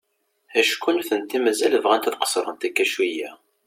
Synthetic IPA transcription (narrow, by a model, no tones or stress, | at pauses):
æʃkʷːunθənt̪ːimæzæləvʁænt̪θqə̥sˤɾˤənt̪ækːæʃwijæ